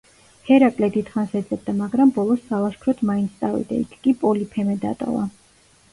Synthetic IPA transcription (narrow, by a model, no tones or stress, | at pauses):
hɛɾakʼlɛd̪it̪χansɛd̪zɛb̚d̪amaɡɾambɔlˠɔsːalaʃkʰɾɔt̪ʰmaint̪sʰt̪ʼavḭd̪a̰ḭkʰkʼipʼɔlipʰɛmɛd̪a̰t̪ʼɔ̰va̰